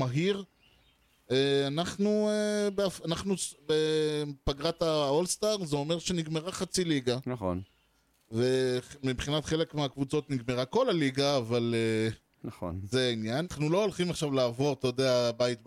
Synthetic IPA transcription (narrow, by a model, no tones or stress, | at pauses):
maɦiʁ | eanaχnuebeafanaχnubepaɡʁataolst̪aʁzeo̞me̞ʁʃe̞niɡme̞ʁaχat͡siliɡanaχo̰n | ve̞mibχinatχe̞le̞kmeakvut͡so̞tniɡme̞ʁako̞laliɡaːvale | naχo̰nzeinjanaχnulo̞olχimaχʃavlaːvo̞ʁt̪ajod̪eabajt̚b